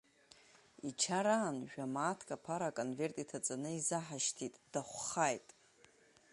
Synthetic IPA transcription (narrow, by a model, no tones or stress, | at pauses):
it͡ʃʰaɾaːnʒᶣamaːtʰkʼapʰaɾaːkʼonve̞rtʼitʰat͡sʼanɨizaħaʃtʰitʼd̥aχʷχajtʼ